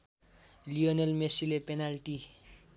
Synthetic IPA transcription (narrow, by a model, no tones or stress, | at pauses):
lionelmesilepenalʈi